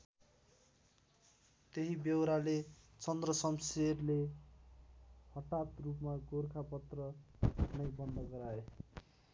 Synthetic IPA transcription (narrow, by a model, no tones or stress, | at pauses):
t̪eɦibewɾale | t͡sʌnd̪rʌsʌmserle | hʌʈat̪rupmaɡorkʰapʌt̪rʌnʌjbʌnd̪ʱʌɡʌɾae